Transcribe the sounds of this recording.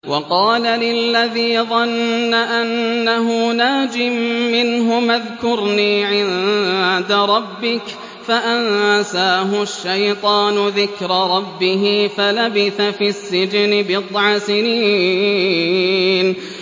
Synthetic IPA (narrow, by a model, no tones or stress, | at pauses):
wʔɑqɑːlalɪlːaðiːðˤɑnːaʔanːaɦʊnaːd͡ʒɪmːɪnɦʊmaðkʊɾniːʕɪnd̪aɾˤɑbːɪk | faʔansaːɦʊʃːajt̪ˤɑːnʊðɪkɾɑɾˤɑbːɪɦifalabɪθafisːɪd͡ʒnɪbɪd̪ˤʕɑsɪniː | n